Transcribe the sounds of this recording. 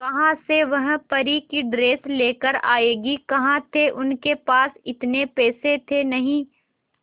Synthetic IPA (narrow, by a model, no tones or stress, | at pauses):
kɐɦãseʋɐɦpɐɾikiɖɾeːsleːkəɾa̰ːeːɡikɐɦãt̪ʰeʔʊnkepaːsɪt̪nepɛːset̪ʰenɐɦĩː